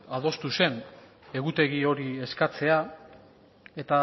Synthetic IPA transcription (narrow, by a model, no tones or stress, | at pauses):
að̞o̞st̪use̞n | e̞ɣut̪e̞ɣ̞io̞ɾie̞skat͡se̞a | e̞t̪a